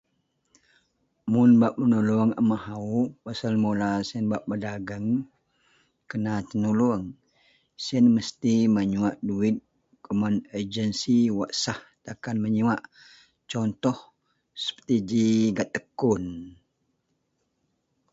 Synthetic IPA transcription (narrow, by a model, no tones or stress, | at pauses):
munbaʔ̚mənuluəŋə̰mahaupasalmolasiənbaʔ̚bədaɡəŋ | kənat̪ənuluəŋ | siənməst̪iməɲuaʔduit̪̚ | kumanəd͡ʒənsiwaʔsaht̪akanməɲuaʔ | t͡ʃɔnt̪ɔh | sə̥pə̥t̪id͡ʒiɡat̪ːəkun